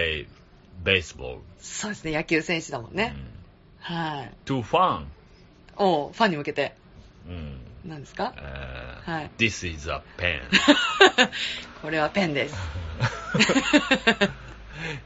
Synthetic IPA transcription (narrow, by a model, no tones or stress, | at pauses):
e | beɪsbo̰lso̞ːd̪e̞sɨne̞jakʲɨːsẽɰ̃ɕɨd̪amõ̞nːe | haiit̪uɸãn | oːɸãɲ̟ːimɯ̟ke̞t̪ẽ̞ | nãnd̪e̞sɨ̥ka̰ | haid̪̥isizə̰pʰɛ̰̃n | kʰo̞ɾe̞βapẽ̞nd̪e̞sɨ̥